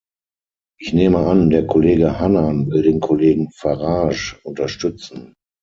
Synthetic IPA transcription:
ʔɪçneːməandeːɐkʰoleːɡəhananvɪldeːnkʰoleːɡŋ̩faʁaːʃʊntɐʃtʏt͡sn̩

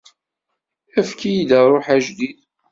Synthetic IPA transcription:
æfkijid̪ərˤoħæʒd̪ið

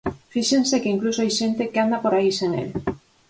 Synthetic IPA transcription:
fiʃeŋsekeiŋklusoajʃent̪ekeand̪apoɾaiseŋḛl

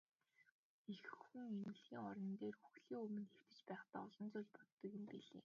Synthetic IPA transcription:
exɘ̆xŭŋemɘ̆ɮxiːŋɔɾɞ̆nt̪eːrxuxɮiːŋɵmɘ̆nxew̥t̪ɘ̆t͡ɕpæːχt̪aːɔɮɞ̆nt͡sʊːɮpɔt̪ːɞ̆kjɪ̆mpiɮḛː

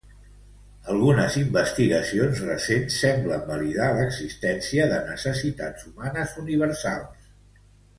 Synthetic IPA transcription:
əlˠɣunəzimbəst̪iɣəsionzrəsensːɛmbləmbəliðaləɡzist̪ɛnsiəðənəsəsit̪ad͡zumanəzuniβ̞əɾsa̰lˠs

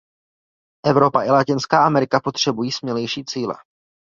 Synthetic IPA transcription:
ʔɛvɾo̞paʔɪlacɪnskaːʔamɛɾɪkapo̞t̪r̝̥ɛbujiːsmɲɛlɛjʃiːt͡siːlɛ̰

